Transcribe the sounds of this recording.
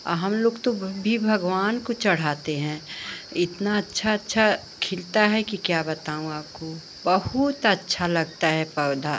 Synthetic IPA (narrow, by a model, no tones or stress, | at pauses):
ɦɐmloːɡt̪obʱibʱɐɡʋaːnkot͡ʃɐɽ̤aːt̪eɦɛ̃ːɪt̪naɐtːʃʰaɐtːʃʰa | kʰɪlt̪aɦɛkikjaːbɐt̪aːũaːp̚ko | bɐhʊt̪ɐtːʃʰalɐɡ̚t̪aɦɛpɐʋd̪ʱa